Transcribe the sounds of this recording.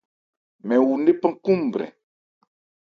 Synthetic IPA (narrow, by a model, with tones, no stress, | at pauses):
mɛ˨wu˨nde˦pã˦kũ˦m˨bɾɛ̰˨